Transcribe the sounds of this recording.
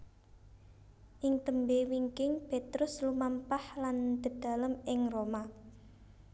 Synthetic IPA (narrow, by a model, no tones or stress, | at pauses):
ʔɪŋt̪əmbewiŋkɪŋpet̪ɾʊslumampahland̪̥ə̤d̥a̤ləmɪŋroma